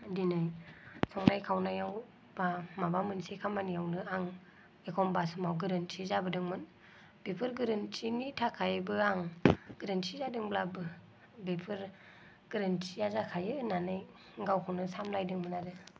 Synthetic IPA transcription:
dinajsʰɔŋnajkʰawnajaw | b̥amabamɯnsekʰamanijawnɯaŋ | ekʰɔmbasɯmawɡɯɾɯntʰizabɯdɯŋmɯn | b̥epʰɯɾɡɯɾɯnt͡ʃinitʰakʰajbɯaŋɡ̥ɯɾɯntʰizadɯŋblabɯ | bepʰɯɾ | ɡ̥ɯɾɯntʰijazakʰajɯnanɯj | ɡawkʰawnɯsamlajdɯŋmɯnaɾɯ

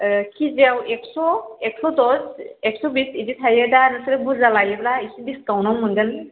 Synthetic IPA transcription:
kʰizawɛksɔɛksɔdɔsɛksɔbisidit̪ʰajɛdanɯsilɛbuzalajɛblaisibiskawnɔmɔndɛn

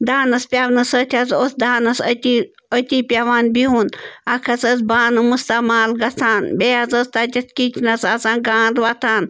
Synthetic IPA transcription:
d̪aːnɐspʲaːʋnɐsət̪ʲʰɐzoːsd̪aːnɐsət̪i | ət̪ʲiːpʲjaʋaːnbiɦunɐkʰɐsɐzbaːnɨmust̪ɐmaːlɡɐt͡sʰaːnbeːazɐst̪ad͡ʒɐt̪kit͡ʃʰnɐsasãːɡaːnd̪ʋɐt̪ʰaːn

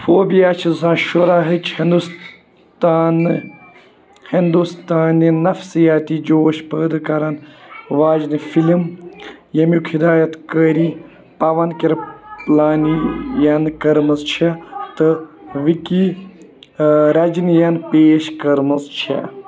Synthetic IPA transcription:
foːbijaːt͡ʃʰizaːʃuɾaɦɨt͡ʃʰhind̪us | t̪aːn | hind̪ust̪aːnːinɐfsijaːt̪id͡ʒoːʃpəːd̪ɨkɐɾɐnʋaːd͡ʒnifilimjɐmikʰid̪aːjɐt̪kəɾi | pɐʋɐnkiɾplaːnijɐnkɐɾmɐzt͡ʃʰɐt̪ɨʋiki | ɾɐd͡ʒinjɐnpeːʃkɐɾmɨzt͡ʃʰɐ̰

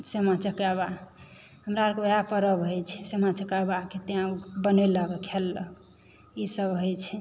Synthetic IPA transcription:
semat͡ʃəkaβa | ɦəmɾaɾkobeɦapəɾəbɦojt͡ʃʰɛsemat͡ʃəkabaket̪eãbəneləkkʰelːək | isəbɦojt͡ʃʰɛ

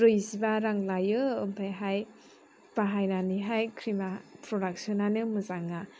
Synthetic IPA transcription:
ɾɯjzibaɾaŋlajɯːmpʰajɦaj | paɦajnaniɦajkʰɾimapʰɾɔdak̚siɔnanɯmɯzaŋːa

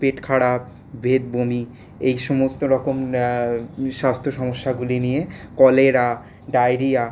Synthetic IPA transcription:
peʈkʰaɽap | bʱed̪̚bomi | ejʃɔmost̪oɾɔkom | ʃast̪ʰoʃɔmoʃːaɡulinijekɔleɾa | ɖajɾija

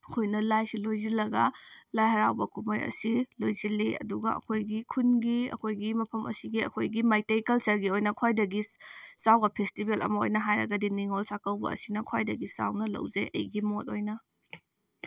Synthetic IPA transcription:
ɐkʰojnɐlajsilojzilːɐɡɐlajhɐɾawbɐkʰumɐɾɐ̰silojzilːiɐ̰duɡɐ̰ɐ̰kʰojɡikʰunɡiɐ̰kʰojɡimɐpʰɐmʔɐ̰siɡiɐ̰kʰojɡimajtejkɐlsɐɾɡiojnɐkʰwajdɐɡisawbɐpʰestibelʔɐ̰mɐo̰jnɐɦajɾɐ̰ɡɐdiniŋolsakɐwbɐ̰ɐ̰sinɐkʰwajdɐɡisa̰wnɐlɐ̰wzḛʔɐ̰jɡimot̚ojnɐ

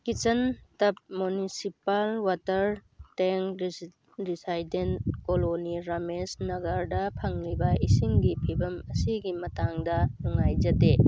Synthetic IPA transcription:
kit͡ʃɐntɐp̚munisipalwatɐɾteŋ | disajden̚koloniɾamesnɐɡaɾdɐpʰɐŋɾibɐisiŋɡipʰibɐmɐsiɡimɐtaŋdɐnuŋajd͡ʒɐte

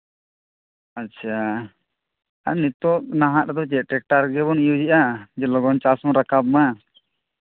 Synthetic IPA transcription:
atːʰa | a̰nit̪ɔʔnaɦãɛd̪ɔt͡ʃɛʈɛk̚ʈaɾɡɛbɔnijud͡ʒiʔad͡ʒɛlɔɡɔnt͡ʃasɔŋɾakab̚ma

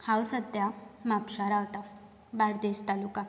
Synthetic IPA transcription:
hawsəd̪jamapʂaɾaɦt̪a | baɽd̪est̪alukã

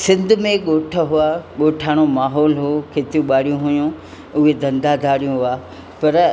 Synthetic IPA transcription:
sɪ̃nd̪ʱʊmẽɠoːʈʰəɦʊaːɠoːʈʰaːɽ̃omaːɦɔːlɦokʰeːt̪ijũɓaːɽijũɦʊjũ | ʊɦed̪ʱɐ̃nd̪ad̪ʱaːɽijũɦʊaː | pɐɾ

